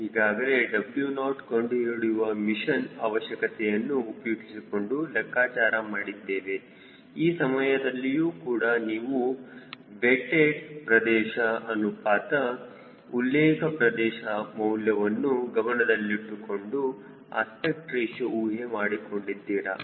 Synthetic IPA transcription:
ɦiːɡaːɡɐɾe̞ɖɐbljunaːʈkoɳɖiiɾuɽiʋɐmiʃɐnaːʋɐʃjɐkɐt̪ɛjɐnːuːpɐjuɡisiko̞ɳɖulɐkːaːt͡ʃaːɾɐmaːɽid̪ːeːʋe̞ | iːsɐmɐjɐd̪ɐlːijuːkuːɽɐniːʋu | beʈeɖpɾɐd̪ɛːʃɐɐnupaːt̪ɐ | ulːɛːkɐpɾɐd̪ɛːʃɐmɐwljɐʋɐnːuɡɐmɐɳɐd̪ɐlːiʈːuko̞ɳɖu | a̰ːspek̚ʈɾeːʃɐuːɦemaːɽiko̞ɳɖid̪ːiːɾɐ̰

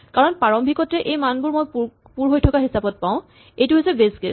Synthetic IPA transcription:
kaɹɔnpaɹɔmbʱikɔtɛʔejmanbʊɹmoj | puɹɦojtʰɔkaɦisabɔt̚paʊ̃ | ejtʊɦojsɛbesɡḛ

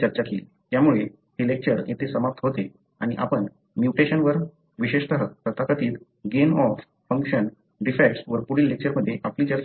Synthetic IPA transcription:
əɾt͡ɕakiːl | t̪jamuɭe | ɦ̪ilek̚t͡ɕəɾjet̪ʰesəmap̚t̪ʰəɦot̪e | a̰ɽ̃iʔa̰pəɳ | mjuʈeɕənʋəɾ | ʋiɕeʂt̪əɦəkpɾət̪akət̪iːt̪ | ɡenɔf | fəŋkɕən | ɖifekʈsʋəɾpuɽiːlːek̚t͡ɕəɾməd̪ʱːjeʔapliːt͡ɕəɾ

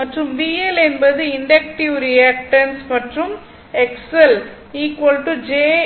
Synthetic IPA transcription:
mɐʈrɯmʋiːɛlɛnbɐðɯɪɳɖɐk̚ʈɪʋɾɪjaːk̚ʈɐnsmɐʈrɯm | ɛksɛl | iːkʋɐlʈud͡ʒeː

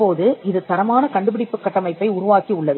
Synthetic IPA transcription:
oːðɯɪðɯt̪ɐɾɐmaːnɐkɐɳɖɯpɪɽɪpːɯkːɐʈːɐmɐɪpːɐɪʊɾʊʋaːkiʊɭːɐ

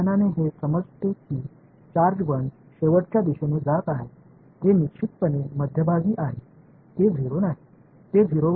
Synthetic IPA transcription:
naneɦesəməd͡zt̪ekiː | t͡ɕaɾd͡ʑbəɳ | ɕeʋəʈt͡ɕjad̪iɕenud͡zat̪aɦe | ɦ̪enikɕʰit̪pəneməd̪ʱjəbʱaɡiːʔaɦe | t̪ed͡zʱiɾonaɦe | t̪ed͡zʱiɾoʋ

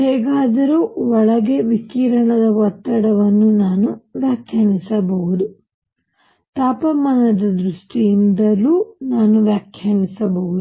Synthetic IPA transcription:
hɛːɡaːd̪ɐɾuːɔɭɐɡe̞ʋikiːɾɐɳɐd̪ɐʋɔt̪ːɐɽɐʋɐnːunaːnuʋjaːkʰjanisɐbɐʋud̪u | t̪aːpɐmɐnɐd̪ɐd̪ɾuʂʈiind̪ɐlːuːnaːnuʋjaːkʰjanisɐbɐʋud̪u

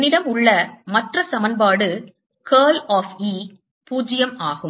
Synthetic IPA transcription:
nɪɽɐmʊɭːɐmɐʈrɐsɐmɐnbaːɽɯ | keːlaːfiː | puːd͡ʒɪjɐmaːɣɯm

